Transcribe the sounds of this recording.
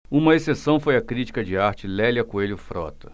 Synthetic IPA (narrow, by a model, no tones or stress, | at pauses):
ũmɐesesɐ̃w̃fojɐkɾit͡ʃi̥kɐd͡ʒɪaɾt͡ʃɪlɛlʲjɐkũeljʊfɾɔ̰t̪ɐ